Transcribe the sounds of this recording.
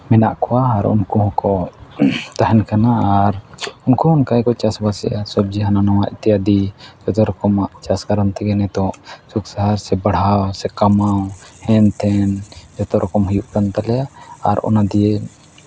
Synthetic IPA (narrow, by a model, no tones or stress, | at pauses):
mɛnaʔkɔwaːɾṵnkɔhɔ̃kɔ | t̪aɦɛnkanaːɾunkɔɔnkajkɔt͡ʃasbasɛ̰jasɔb̚d͡ʒiɦananawaʔit̪ijad̪id͡ʒɔt̪ɔɾɔkɔmaʔt͡ʃaskaɾɔnt̪ʰɛɡɛnɛt̪ɔ̃ʔsuksaɦaɾsɛbaɽ̤awsɛkamawhɛnt̪ʰɛnd͡ʒɔt̪ɔɾɔkɔmhujuʔkant̪alɛjaːɾɔ̰nad̪ije